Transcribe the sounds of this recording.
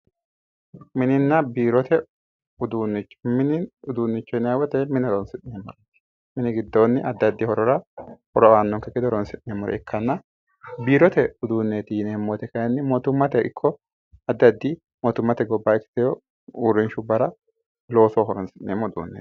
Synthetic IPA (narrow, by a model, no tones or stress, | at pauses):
mɪnɪnːɐbiːɾɔt̪ɛ | ʊd̪uːnːɪt͡ʃːɔ̥mɪnɪʊd̪uːnːɪt͡ʃːɔɪnawɔt̪ɛmɪnɪɔdɔnsɪtneːmːɔɾɐ̥ | mɪnɪɡɪd̪ːoːnːɪɐd̪ːɐd̪ːɪhɔɾɔɾɐhɔɾɔanːɔŋkːɛkɪd̪ɔɔɾɔnsɪʔneːmːɔɾɛ̰ɛkʰːɐnːɐ | biːɾɔt̪ɛʊd̪uːnːeːt̪ɪjɪnɛːmːoːt̪ɛkɐjɐnːɪmɔt̪ʊmːɐt̪ɛɪkʰːɔ | ɐd̪ːɐd̪ːɪ | mɔt̪ʊmːɐt̪ɛɡɔbːaɛkːɪ̥t̪ɛjɔ | uːrːɪnʃʊbɐɾɐ | lo̞ːsɔːɦɔɾɔnsɪʔneːmːɔʊd̪ṵːnːḛ